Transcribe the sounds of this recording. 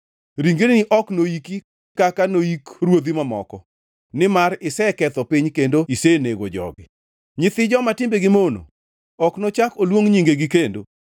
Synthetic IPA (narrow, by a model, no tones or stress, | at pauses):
ɾiŋɡennɪʔɔknoiki | kakanoikrwod̪imamɔ̰kɔ | nɪmaɾɪsɛkɛt̪ɔpiɲkendoiseneɡo̰d͡ʒɔ̰ɡɪ | ɲɪt̪ɪd͡ʒɔmatɪmbeɡɪmono̰ | ɔknot͡ʃakolwoŋɲiŋɡeɡikendo̰